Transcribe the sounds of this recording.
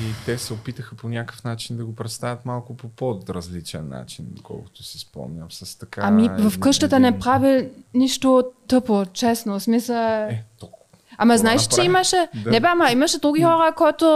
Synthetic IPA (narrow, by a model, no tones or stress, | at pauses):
it̪ɛsɛopit̪əxəponʲakə̥fnat͡ʃind̪ɐɡopɾɛt̪st̪avʲət̪malˠkʊpopod̪ɾɐzlit͡ʃɛ̰nːa̰t͡ʃinkɔ̰lˠkʊ̥t̪ʊsi̥spɔ̰mnʲəmsɐst̪ɐkaamivɐfkɤʃt̪ət̪ənɛpɾaviniʃt̪ot̪ɤpot͡ʃɛsnosmisət̪ɔk | amɐznaɛʃɛ̥t͡ʃɛimɐʃɛnɛbɛamɐimɐʃɛd̪ɾuɡʲixɔɾəkɔjt̪o